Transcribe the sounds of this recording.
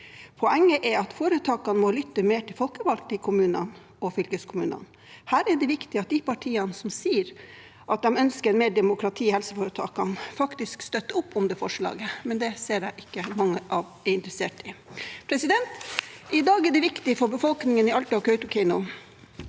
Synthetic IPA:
pʰɔɛŋːəʔɛɑt̪foːɾət̪ʰɑːkɑnəmɔlʏt̪ːəmeːʈʰɪlfɔlkəʋɑlk̪ɪkʰʊmʉːnɑn | ɔfʏlkəskʰʊmʉːnɑ̰n | hæːɾɛɖɛʋɪkt̪ɪɑt̪̚d̪ɪpɑʈʰiːɑnəsɔmsiːɾ | ʔɑt̪̚d̪ɛmœnskəɾɛnmeːɖɛmʊkɾɑt̪ʰiːhɛlsəfoːɾət̪ʰɑ̰ːkːɑnfɑkt̪ɪskst̪œt̪ːəʊpːʊmd̪ɛːfɔʂɭɑ̰ːɡəmɛnd̪ɛseːɾæɪʔɪkːəmɑŋːəʔɑʋɛɪnt̪ɾəseːʈɪpʰɾɛsɪd̪ɛnt̪ɪd̪ɑːɡɛɖɛʋɪkt̪ɪfɔɾbəfɔlknɪŋənɪɑlt̪əɑkʰœʉt̪ʊkʰɪnʊ

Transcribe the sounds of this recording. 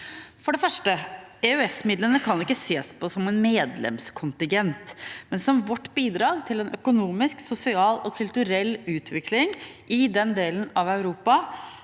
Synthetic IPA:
fɔɖɛfœʂʈəɛœɛsmɪd̪lənəkʰɑnɪkːəseːspʰɔsɔmɛnmeːd̪lɛ̰mskʰʊnt̪ɪŋɡɛnt̪mɛnsɔmʋɔʈːbiːd̪ɾɑːɡt̪ʰɪlɛnʔœkʊnuːmɪsksʊsɪɑːlɔkʰʉlt̪ʉɾɛlːʉːt̪ʰʋɪklɪŋʔɪd̪ɛnd̪eːlənɑʋœʉɾuːpɑ

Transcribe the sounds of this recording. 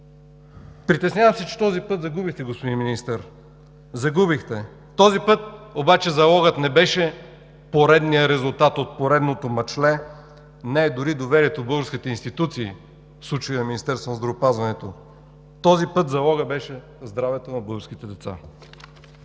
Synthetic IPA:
pɾit̪ɛsnʲjavɐmsɛt͡ʃɛ̥t̪ɔzipɤt̪zɐɡubixt̪ɛɡospod̪inminist̪ɛɾ | zɐɡubixt̪ɛ | t̪ɔzipɤt̪̚obat͡ʃɛzɐlˠɔɡət̪nɛbɛʃɛ | poɾɛd̪nijəɾɛzulˠt̪at̪ot̪̚poɾɛd̪not̪omɐt͡ʃlɛ | nɛɛd̪ʊɾid̪ovɛɾiɛt̪obɤɡəɾsk̟it̪ɛinst̪it̪ut̪siː | fslˠut͡ʃjnɐminist̪ɛɾst̪vonɐzd̪ɾɐvopazvɐnɛt̪o | t̪ɔzipɤt̪zɐlˠɔɡəbɛʃɛ | zd̪ɾavɛt̪onɐbɤɡəɾsk̟it̪ɛd̪ɛt̪sa̰

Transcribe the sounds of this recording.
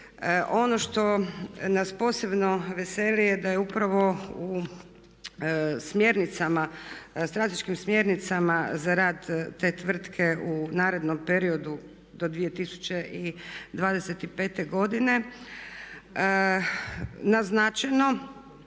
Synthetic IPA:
ʔo̞no̞ʃt̪o̞naspo̞ːse̞bno̞ʋeselijed̪ajeupɾaʋo̞u | smjeɾnit̪samast̪ɾat̪eʃkimsmje̞ɾnit̪samazaɾaːd̪ːe̞t̪ʋr̩t̪kʰe̞ʔunaːɾe̞d̪no̞mpe̞ɾio̞d̪u | d̪o̞d̪ʋije̞t̪isu̥t͡ʃe̞ʔid̪ʋaːd̪eset̪ipe̞ːt̪e̞ɡo̞d̪ine̞ | naznat͡ʃejno̞

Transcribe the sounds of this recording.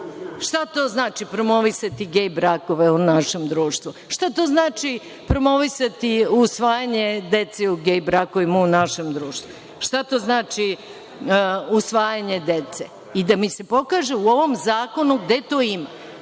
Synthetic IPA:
ʃt̪at̪o̞ːznaːt͡ʃipɾo̞mo̞ʋisat̪iɡejbɾako̞ʋeunaʃe̞md̪ɾuːʃt̪ʋuʃt̪at̪o̞ːznaːt͡ʃi | pɾo̞mo̞ʋisat̪iusʋaːjaɲe̞d̪e̞t̪seuɡejbɾakoʋimaunaʃe̞md̪ɾuːʃt̪ʋu | ʃt̪at̪o̞ːznaːt͡ʃi | usʋaːjaɲe̞d̪e̞t̪se | id̪amise̞po̞kaːʒeuo̞ʋo̞mzaːko̞nuɡd̪e̞t̪o̞ːima

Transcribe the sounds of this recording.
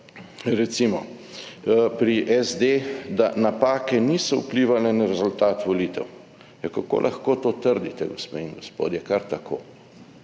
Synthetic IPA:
ɾɛt̪simɔ | pɾiʔɛzd̪ed̪anapaːkɛnisɔṵpliːʋalɛnaɾɛzult̪aːt̪ʋɔliːt̪ɛw | jakako̰ːlʔaxkoːt̪oːt̪əɾd̪it̪ɛɡospeːiŋɡospo̰ːd̪jɛkaɾt̪akʰo̰ː

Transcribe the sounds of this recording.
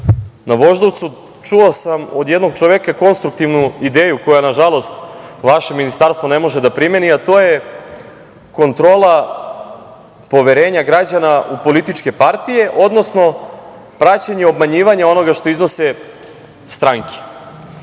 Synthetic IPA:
naʋo̞ʒd̪oʋt̪su | t͡ʃuosamod̪jed̪no̞ɡ̚t͡ʃoʋjekako̞nst̪ɾukt̪iʋnuid̪eːjuko̞janaʒalo̞st̪ʋaʃe̞minist̪aɾst̪vone̞mo̞ʒed̪apɾimeniat̪o̞je̞ | ko̞nt̪ɾo̞ːlˠa | po̞ʋeɾe̞ːɲaɡɾad͡ʑanaupo̞lit̪it͡ʃke̞paɾt̪ije̞ʔo̞d̪no̞sno̞pɾat͡ɕaɲeo̞b̚maɲiːʋaɲao̞no̞ɡaʃt̪o̞izno̞se | st̪ɾaŋke̥

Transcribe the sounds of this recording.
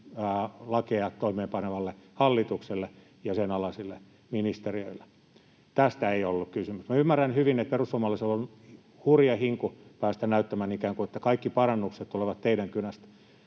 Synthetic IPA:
lɑkeɑt̪t̪oimeːmpɑneʋɑlːehɑlːit̪ukselːe | jɑsenɑlɑsilːe | minist̪eriøilːe̥ | t̪æst̪æeiolːukkysymysmæymːærænhyʋinet̪̚perusomːɑlːeselːon | hurjɑhiŋkupæːst̪ænæyt̪ːæmænikæːŋkuet̪ːækɑikːipɑrɑnːukset̪t̪uleʋɑt̪t̪eidæŋkynæst̪

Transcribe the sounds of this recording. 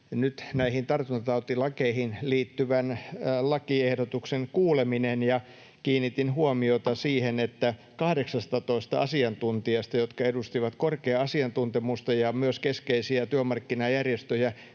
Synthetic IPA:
nyt̪næihint̪ɑrt̪unt̪ɑt̪ɑut̪ilɑkeihinliːt̪ːyʋænlɑkiehdot̪ukseŋkuːleminenjɑ | kiːnːit̪inhuomiot̪ɑsiːhenet̪ːæ | kɑhɾeksɑst̪ɑt̪oist̪ɑɑsiɑnt̪unt̪iɑst̪ɑjot̪kɑedust̪iʋɑt̪korkeɑɑsiɑnt̪unt̪emust̪ɑjɑmyøskeskeisiæt̪yømɑrkːinɑjærjest̪øjæ

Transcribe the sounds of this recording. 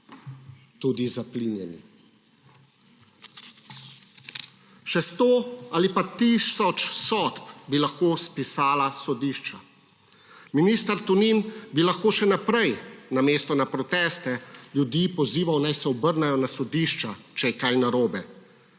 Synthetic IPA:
t̪uːd̪izaplinjɛnḭ | ʃɛst̪oːalipat̪isɔt͡ʃsɔt̪pbilaxkoːspisaːlasɔd̪iʃt͡ʃa | miniːst̪aɾt̪uninbilaxkoːʃɛnapɾɛjnameːst̪ɔnapɾɔt̪ɛːst̪ɛljud̪jipɔziːʋawnajsɛɔbəɾnɛjɔnasɔd̪iʃt͡ʃat͡ʃɛjɛkajnaɾoːbɛ

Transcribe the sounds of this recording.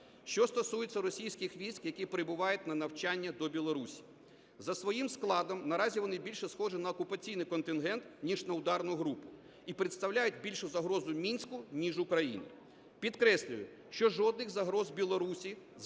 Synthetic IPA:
ʃt͡ʃɔst̪ɔsujɪt͡sʲːɐɾɔsʲijsʲkɪxʋʲijsʲkjɐkipɾɪbʊʋɑjʊt̚ʲnɐnɐwt͡ʃanʲːɐd̪ɔbʲilˠɔɾusʲi̥ | zɐsʋɔjimsklˠɑd̪ɔmnɐɾɑzʲiʋɔnɪbʲilʲʃɛsxɔʐɪnɐːkʊpɐt͡sʲijnɪjkɔnt̪ɪnɦɛnt̪nʲiʒnɐʊd̪ɑrnʊɦɾupʊ | ipɾeɪt̪st̪ɐwlʲajʊtʲbʲilʲʃʊzɐɦɾɔzʊmʲinʲsʲkʊnʲiʒʊkɾɐjḭnʲḭ | pʲid̪kɾɛsʲlʲʊjʊ̰ | ʃt͡ʃɔʒɔd̪nɪxzɐɦɾɔzbʲilˠɔɾusʲi

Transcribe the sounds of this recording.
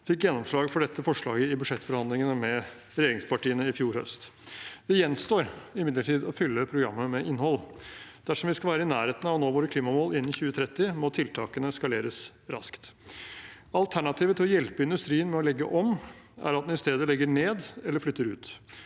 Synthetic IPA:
fɪkjɛnːɔmʂɭɑːɡfɔɖɛt̪ʰːəfɔʂɭɑːɡəɪbʉʂɛt̪fɔɾhɑnd̪lɪŋənəmɛ | ɾɛjeːɾɪŋspɑʈiːənəɪfjuːɾhœ̰st̪ | d̪̥ɛjɛnst̪oːɾɪmɪd̪ləʈʰiːd̪ɔfʏlːəpʰɾʊɡɾɑ̰mːəmɛʔɪnhɔlːd̪̥æʂɔmʋɪskɑʋæːɾəɪnæːɾheːt̪ən̩ɑʋnoːʋoːɾəkʰliːmɑmoːlɪnːɪçʉːət̪ʰɾɛt̪ːɪmɔt̪ʰɪlt̪ʰɑːkənəskɑleːɾəs | ɾɑ̰skt̪ | ɑlt̪ʰæɳɑt̪ʰiːʋət̪ʰɪlɔjɛlpəɪnd̪ʉst̪ɾiːənmɛɔlɛɡːə̰ʔɔm | æ̰ɾɑt̪̚d̪ɛnɪst̪eːd̪əlɛɡːəɳeːd̪ɛlːəɾflʏt̪ːəɾʉ̰ːt̪

